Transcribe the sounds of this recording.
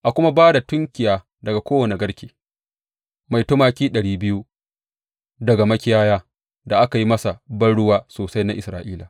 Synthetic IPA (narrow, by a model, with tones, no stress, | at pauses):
ʔa˨kʷʊ˦ma˦baː˦da˨tʊ˦ŋkʲɪ˨jaː˨ | dɐ˨ɡa˨kʷoː˦wɐ˨ne˨ɡɐ˦ɽkʲeː˨ | ma˨jto˦maː˦kʲiː˦ɗɐ˨ɽiː˦bɪ˦ju˦ | dɐ˨ɡa˨mɐ˦kʲɪ˦jaː˦jaː˦ | da˨ʔa˦ka˨ji˦mɐ˦sa˨bɐ˦nɽʊ˦waː˦soː˨sa˦jna˦ʔɪ˨sɾaː˨ʔiː˦la˨